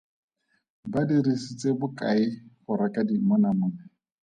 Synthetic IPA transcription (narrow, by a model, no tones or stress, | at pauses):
badiɾisit͡sʼebʊkʼaɪχʊɾakʼadimɔnamʊːnɛ